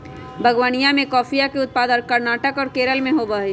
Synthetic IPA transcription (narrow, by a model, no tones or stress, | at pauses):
bʱɐɡwaːnijãmẽkɔːfijakeʊt̪̚paːd̪əkɐɾnaːʈəkɔːɾkeːɾəlmẽɦobəɦeː